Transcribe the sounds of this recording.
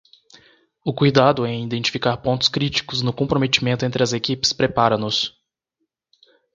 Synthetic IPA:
ʊkujd̪ad̪ʊɛ̃id̪ẽnt͡ʃi̥fikaɾpõnt̪ʊ̥skɾit͡ʃi̥kʊznʊkõpɾomet͡ʃimẽnt̪ʊẽt̪̬ɾɪɐzekipɪ̥spɾepaɾɐ̃nʊs

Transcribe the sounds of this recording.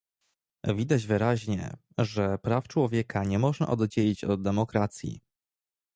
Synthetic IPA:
vʲid̪ad͡ʑvɘɾaʑɲɛ̰ | ʐɛpɾaft͡ʂwɔvʲjɛkʰaɲɛmɔʐna̰ʔɔd̪d͡ʑelʲit͡ɕɔd̪̚d̪ɛmɔkɾat̪sʲjḭ

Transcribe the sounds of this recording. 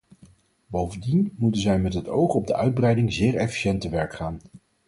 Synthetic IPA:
bowvəndinmutənzɛjmɛtɦətowχɔb̚dəʔœɥd̚brɛjdɪŋzɪːɹɛfi̥ʃɛntəʋɛɹkχaːn

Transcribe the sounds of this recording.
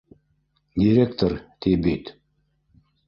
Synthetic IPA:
d̪ʲiɾʲekt̪ort̪ibit̪

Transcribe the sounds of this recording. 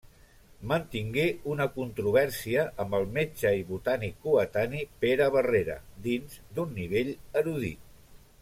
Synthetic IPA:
mənt̪iŋɡeunəkunt̪ɾuβ̞ɛɾsiəʔəmbəlˠmed͡ʒəiβut̪anikːuət̪anipeɾəβəreɾə̰d̪inzd̪unːiβ̞eʎəɾuð̞ḭ

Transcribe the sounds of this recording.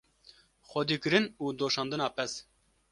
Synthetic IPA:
xʷɛd̪iːkɨɾɨnuːd̪oːʃɑːnd̪ɨnɑːpʰɛs

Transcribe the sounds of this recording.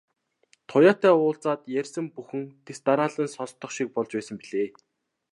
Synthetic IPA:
t̪ʰʊjaːt̪æːʊːɬt͡saːt̪jærʲsə̆mpuxɘ̆ŋt̪ʰest̪aɾaːɮə̆nsɔɮt̪ːɞ̆χʃik̚pɔɮt͡ɕpæːsə̆mpiɮeː

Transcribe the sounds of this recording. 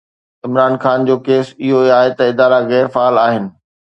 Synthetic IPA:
ɪmɾaːnxaːnd͡ʑoːkeːsɪɦoaːɦet̪ɐɪd̪aːɾaɣɛːɾfaːlaːɦɪnɪ̆

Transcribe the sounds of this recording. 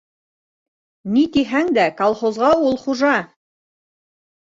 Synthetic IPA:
nit̪iɦæŋd̪ækɐlˠχozʁɑulˠχuʒɑ

